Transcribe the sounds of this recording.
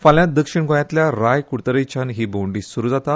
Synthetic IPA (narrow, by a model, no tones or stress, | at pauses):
faljad̪əkʂiɳɡʱojãt̪ljaɾajkuɽt̪əɾejt͡ɕanɦiːboɳɖiːsuɾuːd͡zat̪a